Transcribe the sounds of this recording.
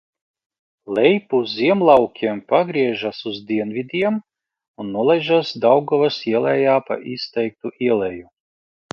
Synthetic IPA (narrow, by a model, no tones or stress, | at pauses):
lʲɛjpuzʲiɛmlˠawkʲiɛmpaɡɾiɛʒasuzd̪ʲiɛnvʲid̪ʲiɛm | unːuɔlˠɛʒasd̪awɡɔvasiɛlˠɛjaːpa̰ʔist̪ɛjk̚t̪uʔiɛlʲˠɛju